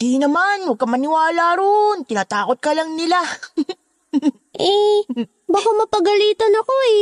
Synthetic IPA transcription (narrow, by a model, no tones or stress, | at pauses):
d̪inɐmanwɐɡ̚kɐmɐnɪwaːlaɾont̪ɪnaːt̪aːkot̪̚kɐlɐŋnɪla | ʔɛ | bakamɐpɐɡɐliːt̪ɐnɐko̞ɛ